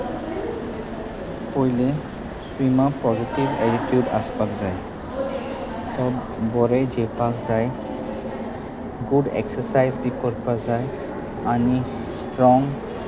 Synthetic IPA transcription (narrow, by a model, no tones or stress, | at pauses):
pojle | swimapɔzitibɛɾiʈjuɖa̰sbakzaj | t̪ɔb | bɔɹed͡ʒepakzaj | ɡuɖḛksəsajzbikɔɹpazaj | ani | sʈɹɔŋ